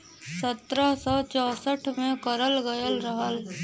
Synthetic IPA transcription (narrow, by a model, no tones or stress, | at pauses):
sət̪ɾəɦsɔt͡ʃɔːsəʈʰmẽkəɾəlɡəjəlɾəɦəl